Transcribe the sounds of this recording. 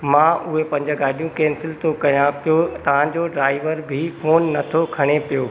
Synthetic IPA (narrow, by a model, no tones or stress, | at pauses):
mãːʔʊɦepɐ̃ɲd͡ʑəɡaːɗijũkɛːnsɪlt̪okɐjãpijot̪ɐʋ̤ãd͡ʑoɖɾaːɪʋəɾbʱifoːnːɐt̪ʰokʰɐɽ̃epijoː